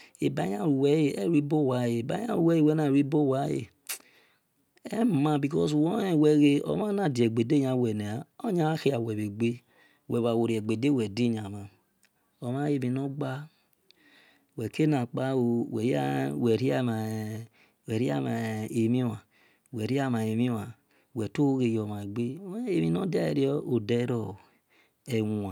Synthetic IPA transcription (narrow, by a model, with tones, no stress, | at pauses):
e˨ba˨˦ɲ˦a˦˨ɾu˨wɛ˨˦je˨ɛ˦˨ɾi˦bo˦˨wa˨˦je˨e˨ba˨˦a̰˦˨ɾu˨wɛ˦e˦˨wɛ˦na˨ɾi˦bo˦˨wa˨˦jḛ˨ | ɛ˦˨˦ma˨bi˨kɔ˦swɔ˦ɛ˦˨wɛ˨ɣe˦ɔ̰˨ma˦na˨di˨ɛ˨ɡ͡be˨de˦ɲa˨wɛ˨nɛ˨a˨o˦ɲa˦xi˦a˨wɛ˨βe˨ɡ͡be˦ | wɛ˨βa˨wo˨ɾɛ˨ɡ͡be˨de˦˨wɛ˨di˦˨ɲa˨ma˨ | ɔ˨ma˦je˧mi˧nɔ˦ɡ͡ba˦ | wɛ˨ke˦na˨k͡pa˦o˨wɛ˨˦a˦wɛ˨ɾi˦a˦ma˨ | wɛ˨ɾi˦a˦ma˨e˨mi˦a˨ | wɛ˨ɾi˦a˦˨ma˨e˨mi˦a˨ | wɛ˨to˦o˦ɣe˧jɔ˨ma˨e˨ɡ͡be˦e˦mi˧nɔ˦da˦e˨ɾi˦ɔ˦o˨dɛ˦ɾɔ˦˨ | ɛ˨wu˨a˨